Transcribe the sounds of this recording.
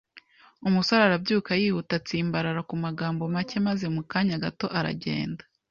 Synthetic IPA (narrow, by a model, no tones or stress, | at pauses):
umusaɾaɾabɟuːkajiːhutat͡siːmbaɾaɾakumaɡaːmbo̞mace̞maze̞mukaːɲaɡato̞ʔaɾa̰ɟe̞̰ːnda